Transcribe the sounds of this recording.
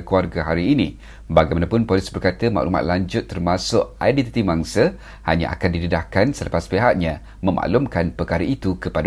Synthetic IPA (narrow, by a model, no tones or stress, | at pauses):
kluarɡaɦaɾiːnĩ | baɡajmanapʊnpɔlisbərkat̪əma̰ʔluma̰t̪̚laɲd͡ʒʊt̪ːərmasʊʔajdɛt̪it̪imaŋsə | haɲã̰ʔa̰kandidədahkansələpaspeɦat̪̚ɲã | mə̃ma̰ʔlʊmkanpəkaɾəit̪ukəpad